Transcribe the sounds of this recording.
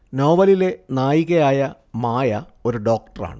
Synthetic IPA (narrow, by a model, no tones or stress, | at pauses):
no̞ːʋɐlile̞naːjiɣɐjaːjɐ | maːjɐ | o̞ɾuɖo̞ːk̚ʈɐra̰ːɳɨ